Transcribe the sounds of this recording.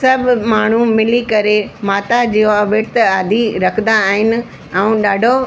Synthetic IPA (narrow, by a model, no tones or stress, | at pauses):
sɐbʱmaːɳ̤̃umɪlikɐɾemaːt̪ad͡ʑiːɦoʋeːʈt̪aːd̪ʱiɾɐkʰnd̪aːɦɪnɪ̆̃ | ũɗaːɖʱo